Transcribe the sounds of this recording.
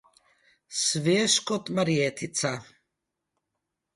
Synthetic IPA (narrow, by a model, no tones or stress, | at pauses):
sviɛʃkʼɔt̪ʼmaɾiɛt̪ʰit͡sʰa